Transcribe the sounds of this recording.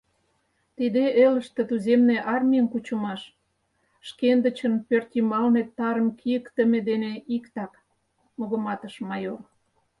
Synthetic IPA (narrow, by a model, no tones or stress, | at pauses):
t̪id̪eʔeləʃt̪ĕt̪uzemneʔɑrmʲijənkut͡ɕə̆mɑʃ | ʃkend̪ə̆t͡ɕənpørt̪ʲimɑlnet̪ːɑɾəmkʰijəkt̪əmed̪eneikt̪ɑk | moɣə̆mɑt̪əʃmɑjor